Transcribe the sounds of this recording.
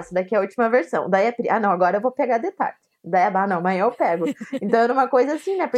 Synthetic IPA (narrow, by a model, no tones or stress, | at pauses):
sʊd̪akiɐut͡ʃimɐveɾsɐ̰̃w̃d̪aiɐpɾiʔa̰nɐ̃w̃aɡɔɾɐewvopeɡad̪et̪a̰ɾt͡ʃɪd̪aiɐbanɐ̃w̃mɐ̃ewpɛɡʊẽnt̪ɐ̃w̃ɛɾɐ̃ũmɐkojzɐasĩnɛpɾ